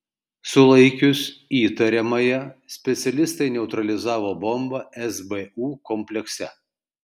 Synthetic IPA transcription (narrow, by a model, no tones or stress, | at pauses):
sʊlˠɐɪkʲʊsiːt̪ɐɾʲɛmɐjɛsʲpʲɛt̪sʲɛlʲɪst̪ɐɪnʲɛʊt̪ɾɐlʲɪzɑːʋoːbɔmbɐɛsbɛuːkɔmʲpʲlʲɛksʲɛ